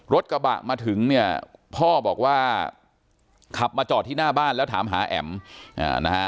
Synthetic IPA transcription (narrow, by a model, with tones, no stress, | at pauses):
ɾo˦˥t̪̚ka˧ba̰˨˩ʔmaː˧t̪ʰɯ˩˦ŋni˥˩ɐpʰɔː˥˩bɔː˨˩k̚waː˥˩ | kʰa˨˩p̚maː˧t͡ɕɔː˨˩t̪ʰːiː˥˩naː˥˩baː˥˩nlɛ˦˥wt̪ʰaː˩˦mɦaː˩˦ʔɛ̰˩˦mʔa̰ː˧˩na˦˥kʰa˦˥